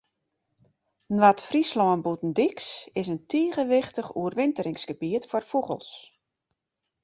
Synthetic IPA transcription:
nʋatfrislɔənbutn̩diksɪs̬əntʰiːɣəʋɪxtəxṵərʋɪntəɾɪŋsɡ̥əbiətfɔrfuɣə̰lˠs

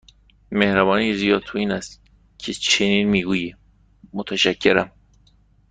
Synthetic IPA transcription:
mehɾæbɒːniezijɒːd̪̚t̪ʰoiːnæst̪ | cʰet͡ʃʰeniːnmiːɡuːji | mot̪ʰæʃæcʰːe̞ɾæm

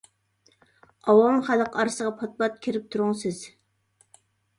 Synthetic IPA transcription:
ɑwɑmχælˠəqɑɾsəʁɑpʰɑt̪̚bɑt̪̚kʲʰeɾɪp̚t̪ʰuɾʊŋsɪz̥

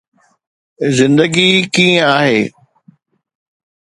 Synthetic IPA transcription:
zɪ̃nd̪əɡikĩːə̃aːɦeː

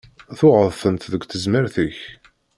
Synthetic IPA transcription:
θʊʁəðθənt̪ðəɡʷθəzməɾθiç

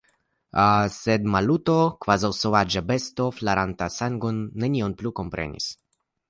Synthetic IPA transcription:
ased̪malut̪o̞kvazawsovad͡ʒabest̪oflaɾant̪asaŋɡonːenionplukompɾḛnḭs

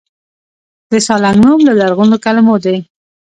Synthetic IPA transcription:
d̪əsɑlaŋɡnomlalaɾɣunokalɪmod̪e

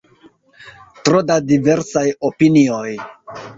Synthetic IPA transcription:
tɾo̞dadive̞ɾsajo̞pinio̞j

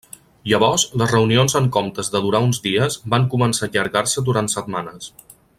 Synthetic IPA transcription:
jəβɔɾzləzrəunionzəŋkɔmt̪əzðəðuɾaunzdiəzbaŋkumənsaʎəɾɣarsəd̪uɾant̪sət̪manəs

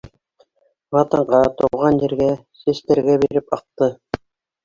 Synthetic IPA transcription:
wɑt̪ɤ̆ɴʁɑt̪ŏwʁɑnjĭɾɡæsĕst̪æɾɡæbiɾɘpɑq̚t̪ɤ

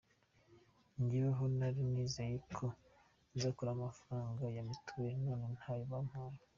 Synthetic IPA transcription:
ɲɟiβaɦonaɾimniːzejekʰo | zakuɾamafɾaːŋɡajamitʰuβeɾenoːnenhaːjoβam̥haɾo

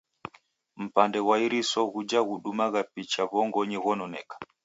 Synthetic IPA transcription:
m̩pandɛwaiɾisɔɣud͡ʒaɣuɗumaɣapit͡ʃaβɔŋɡɔɲɛɣɔnɔnɛ̰kḁ

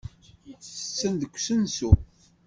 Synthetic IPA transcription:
θə̥t͡sːənd̪əkʷːsənsu

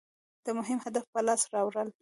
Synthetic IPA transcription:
d̪̥əmʊɦɪmhad̪afpəlɑsɾɑwɾəl

